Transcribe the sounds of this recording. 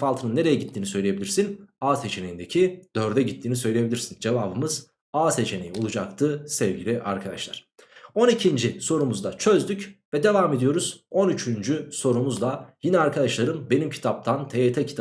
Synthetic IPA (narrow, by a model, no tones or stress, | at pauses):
falˠt̪ʰɯnɯnːe̞ɾe̞jɛɟit̪ʰːiːnisø̞jlʲeebiiɾsinaːse̞t͡ʃʰe̞nejind̪e̞cʰid̪̥øɾd̪ɛɟit̪ʰːiːnisø̞jlʲeje̞bilʲiɾsind͡ʒe̞vaːbɯmɯz | aːse̞t͡ʃʰe̞nejio̞lˠud͡ʒak̚t̪ʰɯsɛvɟilʲiʔa̰ɾkʰad̪a̰ʃlˠa̰ɾ̥ | o̞nicʰind͡ʒiso̞ɾumuzd̪at͡ʃʰø̞zd̪ycvɛd̪e̞vaːme̞d̪ijo̞ɾuz̥o̞nyt͡ʃʰynd͡ʒyso̞ɾumuzd̪ˠajinɛaɾkʰad̪aʃlˠaɾɯmbe̞nimcʰi̥t̪ʰap̚t̪ʰant̪ʰet̪ʰɛcʰi̥t̪ʰa